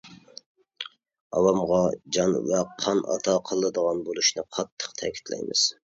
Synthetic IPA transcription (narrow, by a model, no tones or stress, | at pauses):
ɑwɑmʁɑd͡ʒɑnvɛqʰɑnʔɑ̰t̪ʰɑqʰəlˠːɨd̪əʁɑnbolˠuʃnɨqʰɑt̪ʰːə̥qt̪ʰɛkʲi̥t̪ʰlɛ̰jmɨ̰z̥